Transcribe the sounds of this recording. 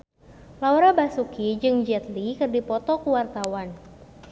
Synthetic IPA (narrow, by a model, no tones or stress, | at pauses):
lawɾabasukid͡ʒɨŋd͡ʒɛt̪likɨrdipɔt̪ɔkuwart̪awan